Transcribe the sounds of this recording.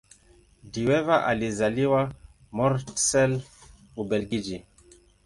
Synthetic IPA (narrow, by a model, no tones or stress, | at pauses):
diwɛvaʔa̰lizaliwa | mɔɾtsɛl | ubɛlɡid͡ʒi